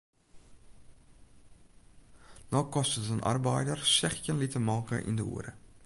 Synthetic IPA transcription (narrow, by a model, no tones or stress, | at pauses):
nɔkɔstəzənʔɑ̰rbɛjdərsɛχjənlitəmɑːkə̰ʔɪ̰ndəṵəɾə̰